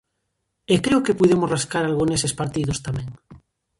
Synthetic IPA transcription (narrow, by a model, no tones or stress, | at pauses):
ekɾeokepuðemozraskaɾalɣunesespaɾt̪iðost̪amẽŋ